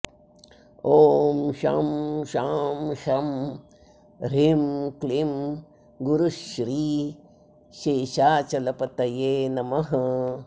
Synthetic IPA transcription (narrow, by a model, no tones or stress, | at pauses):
oːmʃa̰mʃaːmʃɐm | ɾemklim | ɡuɾuʃɾiː | ʃeːʃaːt͡ʃɐlɐpɐt̪ɐjeːnɐmɐɦɐ